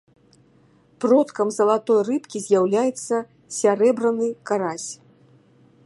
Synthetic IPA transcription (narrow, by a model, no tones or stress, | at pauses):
prɔt̪kɐmzɐlˠat̪ɔjrɨpkʲizʲjawlʲajɛt̪sːɐ | sʲaɾɛbɾɐnɨkaɾasʲ